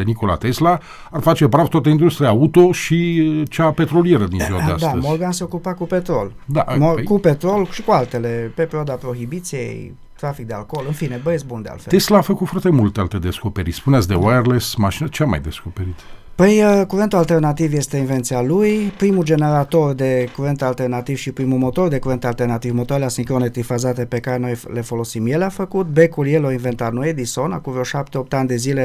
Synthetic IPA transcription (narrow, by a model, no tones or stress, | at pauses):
enikola̰t̪esla | arfat͡ʃepɾavt̪at̪eind̪ɾust̪ɾʲiaut̪o̞ʃit͡ʃape̞t̪ɾo̞lije̞ɾəd̪inziwaea̰dsat̪əzmolɡanse̞okupakupe̞t̪ɾo̞ld̪a̰mokupet̪ɾo̞lʃikualt̪e̞le̞pepeɾioad̪apɾo̞xibit̪sije̞̰j | t̪ɾafik̚d̪ea̰lko̞lɨnfinebəesbund̪ea̰lfet̪eslaːfəkut̪fart̪e̞mult̪ealt̪ed̪e̞sko̞pe̞ɾḭspuneatsʲd̪ḛwaerlesmaʃinət͡ʃeama̰jd̪e̞skopeɾit̪pəjkuɾent̪ualt̪ernat̪ivje̞st̪einve̞nt̪sialujpɾimud͡ʒe̞ne̞ɾat̪o̞rd̪e̞kuɾent̪ealt̪ernat̪iv̥ʃipɾimumo̞t̪o̞rd̪e̞kuɾent̪ealt̪ernat̪ivmot̪oaleasiŋkɾonet̪ɾifazat̪e̞pe̞kaɾenojle̞fo̞lo̞simjelafəkut̪be̞kuljeloinve̞nt̪at̪nued̪iso̞nakuvoʃap̚t̪eo̞p̚t̪eanʲd̪e̞zile